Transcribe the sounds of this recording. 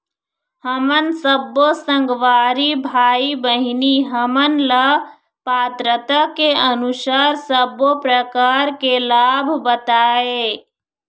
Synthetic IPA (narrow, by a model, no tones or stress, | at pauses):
həmənsəbosə̃ŋɡʋaːɾibʱaːibəɦɪniɦəmənlə | paːt̪ɾət̪akeənʊʃaːɾsəbopɾəkaːɾkelaːbʱbət̪aːe